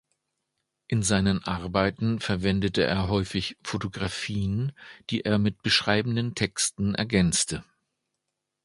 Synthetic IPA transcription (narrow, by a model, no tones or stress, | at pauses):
ʔɪnzaɪnənʔaʁbaɪtn̩fɛɐvɛndətəʔḛːɐɦɔʏfɪçfotoɡʁafiːənd̥iːʔeːɐmɪt̚b̥əʃʁ̥aɪbn̩dəntʰɛkstn̩ʔɛ̰ɐɡɛnt͡stʰə